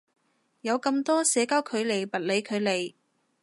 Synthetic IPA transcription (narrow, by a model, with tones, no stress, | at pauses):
jɐ˨˧wkɐ˧mt̪ɔː˥sɛː˨˧˥kaː˥wkʰɵ˨˧ɥle˨˩jpɐ˨t̚le˨˧jkʰɵ˨˧ɥle˨˩j